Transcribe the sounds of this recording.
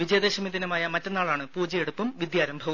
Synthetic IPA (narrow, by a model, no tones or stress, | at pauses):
ʋid͡ʑɐjɐd̪eɕɐmiðinɐmaːjɐmɐtːe̞nːaːɭaːɳɨpuːd͡ʑɐjeɽupːumʋid̪jaːɾɐmbʱɐʋɐ